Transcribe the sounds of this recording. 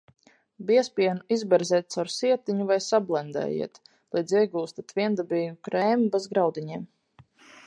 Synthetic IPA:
biɛspʲiɛnuizbɛɾzɛːt̪̚t̪sawɾsiɛt̪iɲuvajsablˠɛnd̪ɛ̰ːjḭɛt̪ | lˠijd̪ziɛɡuːst̪at̪viɛnd̪abiːɡukɾɛːmbɛzɡɾawd̪iɲiːm

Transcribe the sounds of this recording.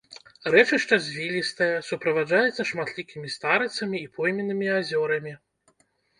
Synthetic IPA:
ɾɛt͡ʂɨʂt͡ʂɐzʲvʲilʲist̪ɐjɛsupɾɐvad͡ʐajɛt̪sːɐʂmat̪lʲikʲimʲist̪aɾɨt̪sɐmʲiːpʰɔjmʲinːɨmʲiazʲɔɾɐmʲi

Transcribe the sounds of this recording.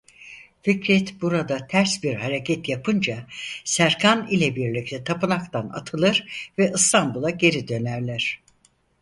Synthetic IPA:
ficɾɛt̪buɾad̪at̪ʰæɾsbiɾhaɾecʰɛt̪japʰɯnd͡ʒasæɾkʰanilʲɛbiɾlʲic̚t̪ʰɛt̪ʰapɯnakt̪ʰana̰t̪ʰɯlˠɯɾvɛʔɯst̪ʰambulˠaɟe̞ɾid̪ø̞næɾlʲæɾ̝̥

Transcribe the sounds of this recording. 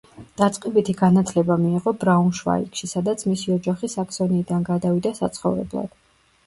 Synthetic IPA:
d̪̥at̪sʼqʼɛbit̪ʰiɡanat̪ʰlɛbamiːʁɔbɾaunʃva̰ḭkʃisad̪at̪sʰmisiɔd͡ʒaχisaksɔniːd̪anɡad̪avid̪asa̰t̪sʰχɔ̰vɾɛ̰blˠa̰d̪̥

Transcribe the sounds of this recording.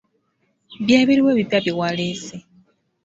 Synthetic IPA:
βjaːβiɾiweːβibaβiwalese

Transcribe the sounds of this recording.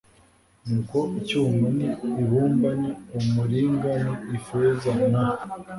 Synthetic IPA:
nuːkoicuːmuniiβuːmbaɲaumuɾiːŋɡaniifezana

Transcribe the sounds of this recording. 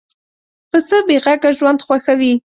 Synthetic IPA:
pʰɨsɨbiʁakʼɐʒwandχʷaxɐwi

